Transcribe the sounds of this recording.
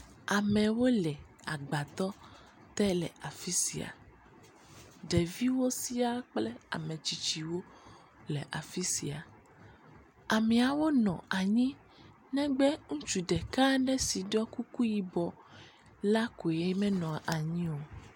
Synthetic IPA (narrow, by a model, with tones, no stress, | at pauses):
a˨mɛ̃˨wo˦lɛ˨a˨ɡ͡ba˨t̪ɔ˦ | t̪ɛ˦lɛ̰˨a˨fi˦si˨a̰˨ | ɖɛ˨vi˦wo˦si˦a˦k͡plɛ˦a̰˨mɛ̃˨t͡ʃi˨t͡ʃi˨wo˦ | lɛ˨ʔa˨fi˦si˨a˨ | a˨mɛ̃˨a˨wo˦nɔ̃˨a˨ɲĩ˦ | nɛ̃˦ɡ͡bɛ˦ŋũ˦t͡ʃu˨ɖɛ˨ka˦ɖɛ˦si˨ɖɔ˦ku˦ku˦ji˨bɔ˨ | la˦ko˨e˦mɛ̃˦nɔ̃˨a˨ʔa˨ɲĩ˦wo˨